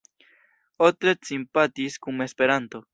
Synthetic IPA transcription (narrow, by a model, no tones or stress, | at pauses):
ot̪ɾet͡simpat̪iskume̞spe̞ɾant̪o̞